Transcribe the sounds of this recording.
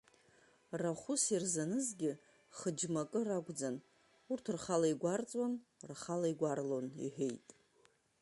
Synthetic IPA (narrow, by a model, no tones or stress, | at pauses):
raχʷʊsirzanɨzɡʲɪ | χəd͡ʒmakʼɨraɡʷʼd͡zan | urtʰrχalaiɡʷart͡sʼwanrχalaiɡʷarlo̞nḭħᶣejtʼ